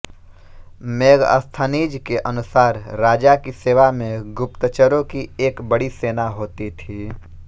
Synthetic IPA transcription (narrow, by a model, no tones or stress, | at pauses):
meːɡə̰st̪ʰəniːd͡ʒkeʔɐnʊsaːɾɾaːd͡ʒakiseːʋamẽɡʊp̚t̪ət͡ʃəɾõkieːkbəɽiseːnaɦoːt̪it̪ʰiː